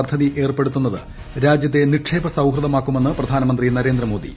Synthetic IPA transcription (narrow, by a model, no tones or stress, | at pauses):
d̪ʰʱːɐðiʔe̞ːrpe̞ɽut̪ːunːɐðɨ̰ | ɾaːd͡ʑjɐt̪̬ːe̞niʈʂeːbɐsɐwɦrɨðɐmaːkːume̞nːɨprɐd̪ʱaːnɐmɐnd̪rinɐɾe̞ːnd̪ɾɐmo̞ːd̪ḭ